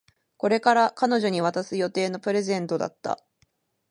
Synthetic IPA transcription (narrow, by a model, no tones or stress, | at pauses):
ko̞ɾe̞kaɾakano̞ʑo̞ɲ̟iβ̞at̪asɨjo̞t̪e̞ːno̞pɯ̟ɾe̞zẽ̞nt̪o̞d̪a̰t̪ːa̰